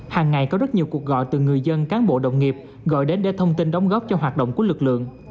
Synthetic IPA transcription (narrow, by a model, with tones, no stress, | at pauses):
haː˨˩ŋːa˨˩jkɔ˨˦zə˦˥t̚ɲi˨˩əwku˨˩ək̚ɣɔ̰˧˨jt̪ɨ˨˩ŋɨ˨˩əjzə˧nkaː˨˦nɓo̰˧˨ɗə̰˧˨wŋ͡mŋi˨˩əp̚ | ɣɔ̰˧˨jɗe˨˦nɗḛ˧˩t̪ʰə˧wŋ͡mt̪i˧nɗɔ˨˦wŋ͡mɣɔː˦˥p̚t͡ɕɔ˧ɦwaː˨˩t̚ɗə̰˧˨wŋ͡mku˧˩əlɨ˨˩k̚lɨ̰˧˨əŋ